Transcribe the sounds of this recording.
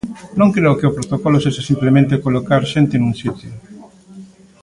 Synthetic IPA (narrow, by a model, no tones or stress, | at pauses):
nõŋkɾeʊkeʊpɾot̪okɔloseʃasimplemẽnt̪̬ekolokaɾʃent̪enũŋsit̪jo